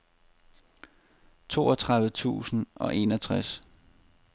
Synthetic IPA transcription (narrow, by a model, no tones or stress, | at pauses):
t͡sʰo̝̰ːɒt͡sʰʁɑ̈ðʋ̩t͡sʰṵːsn̩ɒ̽ʔe̝̰ːnɒt͡sʰʁas